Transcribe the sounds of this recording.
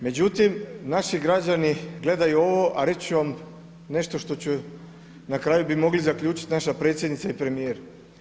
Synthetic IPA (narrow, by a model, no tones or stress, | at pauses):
me̞d͡ʑut̪imnaʃiɡɾad͡ʑaniɡle̞d̪ajuo̞ʋoʔaɾe̞t͡ɕuʋam | ne̞ʃt̪o̞ʃt̪o̞t͡ɕu | nakɾaːjubimo̞ɡlizakʎʲuːt͡ʃi̥t̪naʃapɾe̞ːt̪sjed̪nit̪saipɾe̞mijeɾ